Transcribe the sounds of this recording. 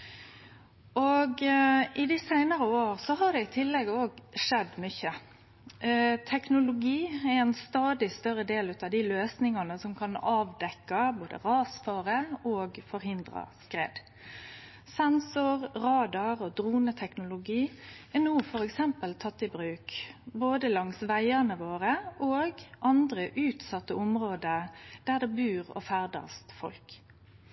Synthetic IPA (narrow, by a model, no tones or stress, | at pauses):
ʔoɡʔɪd̪ɪsæɪnɑʁəoːʁsɔɦɑʁd̪ɛɪt̪ʰɪlːɛɡoːɡʂɛd̪mʏçə | t̪ʰɛknʊlʊɡiːɛɛnst̪ɑːd̪ɪst̪œɾəd̪eːlʉt̪ɑʋd̪ɪløːsnɪŋɑnəsɔmkʰɑnɑːʋd̪ɛkːɑboːd̪ə̰ʁɑːsfɑːɾəoːɡfɔɾɦɪnd̪ʁɑ̰skʁḛːd̪ | sɛnsʊʁʁɑːd̪ɑʁɔd̪ʁuːnət̪ʰɛknʊlʊɡiːɛnuːfɔɾɛksɛmpəlt̪ʰɑt̪ːɪbʁʉːkboːd̪əlɑŋsʋæɪənəʋoːʁəʔoːɡʔɑnd̪ʁəʔʉːt̪sɑt̪ːəʊmʁoːd̪əd̪̥æːʁd̪ɛbʉːʁɔ̰fæʁd̪ɑ̰st̪fɔ̰lk